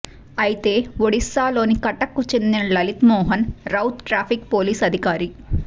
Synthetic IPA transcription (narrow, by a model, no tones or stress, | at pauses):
ɐjit̪e̞ːʋoɽisːaːlo̞ːnikɐʈːɐkːut͡ʃend̪inɐlɐlit̪mɔːɦɐnɾɐwt̪ʈɾaːpʰikpo̞ːliːsɐd̪ʱikaːɾi